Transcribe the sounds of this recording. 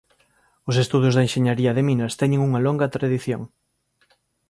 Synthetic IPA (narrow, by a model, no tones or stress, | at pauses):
ʊs̬est̪uð̞jʊzðɐenʃeɲaɾiɐðeminɐst̪ɛɲẽŋuŋɐloŋɡɐt̪ɾaðiθjo̰ŋ